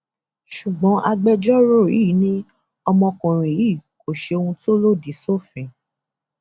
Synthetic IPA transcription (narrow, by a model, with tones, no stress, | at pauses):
ʃu˨ɡ͡bɔ̃˨˦ʔa˧ɡ͡bɛ˦˧d͡ʒɔ˦ɾo˦˨i˦˨˦nĩ˦ | ɔ˧mɔ̃˧kɔ̃˨ɾ̃ĩ˨ji˦˨ko˨ʃe˧o˧hũ˧to˦lo˦˨di˨˦so˦˨fĩ˨